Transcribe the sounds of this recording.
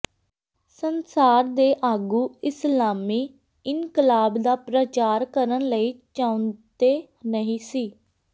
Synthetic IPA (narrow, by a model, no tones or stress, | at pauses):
sənsaːɾd̪eːʔaːɡuːɪslaːmiː | ɪnkəlaːbd̪aːpɾət͡ʃaːɾkəɾənləiːt͡ʃãːʊ̃nd̪eː | nəɦĩːsiː